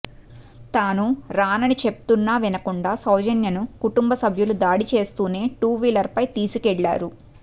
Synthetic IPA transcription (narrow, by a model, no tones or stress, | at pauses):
t̪aːnuɾaːnɐnit͡ʃe̞p̚u̥t̪unːaːʋinɐkuɳɖaːsɐwd͡ʒɐnjɐnukuʈumbɐsɐbʱjulud̪aːɽit͡ʃe̞ːst̪uːne̞ːʈuːʋiːlɐɾpɐjt̪iːsukɛɭːa̰ːɾu